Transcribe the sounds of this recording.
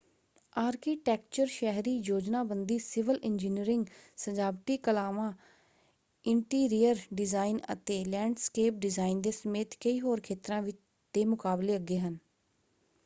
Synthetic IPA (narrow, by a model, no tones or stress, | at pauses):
aːɾkiːʈɛːk̚t͡ʃəɾʃɛɦɾiːjoːd͡ʒnaːbənd̪iːsɪʋəlɪnd͡ʒiːniɾɪŋɡsəd͡ʒaːbʈiːkəlaːʋãː | ɪɳʈiːɾijəɾɖɪzaːinə̰t̪eːlɛ̃ːɳɖskeːp̚ɖɪzaːind̪eːsəmeːt̪kəiːɦoːɾkʰeːt̪ɾãːʋɪt͡ʃ | d̪̥eːmʊkaːbleːəɡeːɦən